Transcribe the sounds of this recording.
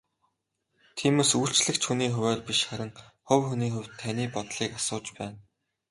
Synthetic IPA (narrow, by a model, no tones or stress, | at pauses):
t̪ʰiːmoːsujɬt͡ɕɮɘ̆kt͡ɕxuniːxɵwæːrpiʃχæɾʲɪ̆ŋχʊwxuniːxɵw̥ʲt̪ʰːæniːpɔt̪ɮ̥iːkasʊːt͡ɕpæːn